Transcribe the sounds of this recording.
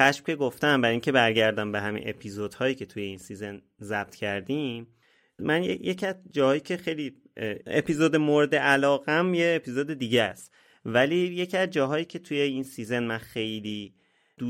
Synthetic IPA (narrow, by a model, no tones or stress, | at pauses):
xæʃm̥cʰe̞ɡoft̪æmbæɾiŋcʰe̞bæɾɟæɾd̪æmbe̞ɦæmḭnʔe̞pʰizod̪̥hɒːjiːcʰe̞t̪ʰuje̞insiːzen | zæb̥̚t̪ʰcʰæɾd̪iːm | mænjejecʰiæzd͡ʒɒːhɒːjiːcʰe̞xe̞jli | ḛpʰizod̪emoɾed̪eʔælɒːɣæmje̞ːpʰizod̪e̞d̪iːɟeæst̪ | væliːje̞cʰiæzd͡ʒɒːɦɒːjiːcʰe̞t̪ʰuje̞insizenmænxe̞jliː | d̪̥u